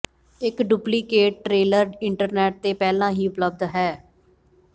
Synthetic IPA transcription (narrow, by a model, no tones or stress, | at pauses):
ɪkɖuːpliːkeːʈ̚ʈɾeːləɾɪɳʈəɾnɛːʈ̚t̪eːpɛːlãːɦiːʊpləb̚d̪ɦɛː